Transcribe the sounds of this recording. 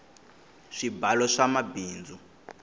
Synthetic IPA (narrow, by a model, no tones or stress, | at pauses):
ʂibalɔʂamabiːnd͡zu